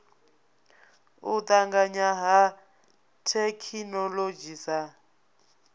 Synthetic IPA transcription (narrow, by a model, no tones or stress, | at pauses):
ut̪aŋɡaɲaɦa | tʰɛkʰinɔlod͡ʒisa